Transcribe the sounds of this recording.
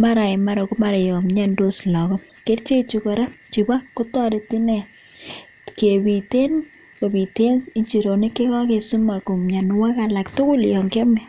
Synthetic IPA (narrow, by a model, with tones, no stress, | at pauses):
ma˦ɾa˨ɪ˨ma˦ɾɔ˨ku˦ma˨ɾe˨jo˨mɲa˦ndo˦slɔ˨kɔ˦ | ke˦tt͡ʃe˦t͡ʃu˨˦kɔ˨ɾa˦t͡ʃi˨ba˦kːʊ˦tɔ˦de˨˦tɪ˦nɛ˨ | ke˨bi˨te˦n | ko˨bi˨te˦ni˦nt͡ʃi˨ɾo˨ni˦ke˦kɔ˦ke˨su˦ma˨ko˨mɲa˨n˦wa˦ka˨la˨ktʊ˦kʊ˦ljɔ˨ŋke˦mɛ˨